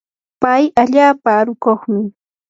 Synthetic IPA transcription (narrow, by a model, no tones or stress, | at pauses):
pajaʎaːpaːɾʊkoχmɪ